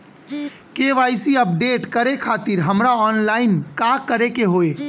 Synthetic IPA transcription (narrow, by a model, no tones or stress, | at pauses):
keːʋaːɪsiəp̚ɖeːʈkəɾekʰaːt̪ɪɾɦəmɾaɔːnlaːɪnkaːkəɾekeɦoːeː